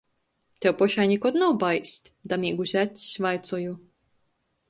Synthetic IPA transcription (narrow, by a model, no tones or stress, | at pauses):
t̪ʲewpɔʃajɲʲikɔt̪nawbajsʲt̪ʲd̪amiːɡusʲæt̪ʲssʲvajt̪sɔju